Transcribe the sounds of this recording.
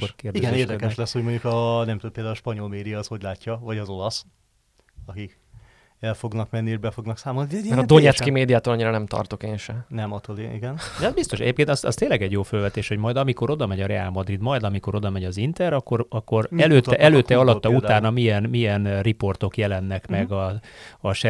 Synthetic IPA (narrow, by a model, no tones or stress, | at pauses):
okeːrdiɡɛneːrd̪ɛkɛʃlɛsho̞ɟmoɲɟukɒnɛmt̪upeːld̪aulɔʃpɒɲo̞lmeːd̪ijɒːsho̞ɟlaːcːɒvɒɟɒzo̞lɒs | ɒkik | ɛlfoɡnɒkmɛnːiebɛfo̞ɡnɒksaːmolnid̪ɛmɛɾɔd̪oɲɛskimeːd̪ijaːt̪oːlɒɲːiɾɒnɛmt̪ɒ̰rt̪o̞keːnʃɛnɛmɒt̪olḭɡɛnd̪ɛɒzbist̪o̞ʃɛ̰ɟeːpkeːnt̪ɒsɒ̰st̪eːnlɛɡɛɟjoːfølvɛt̪eːʃho̞ɟmɒjd̪ɒmiko̞ɾo̞d̪ɒmɛɟɒɾɛaːlmɒd̪rid̪mɒjd̪ɒmiko̞ɾo̞d̪ɒmɛɟɒzint̪ɛɾɒkːo̞ɾɒkːo̞ɾɛløːɛʔɛløːt̪ːɛɒlɒt̪ːɒut̪aːnɒmijɛnmijɛnripo̞rt̪o̞kjɛlɛnːɛkmɛɡɒɒʃɛ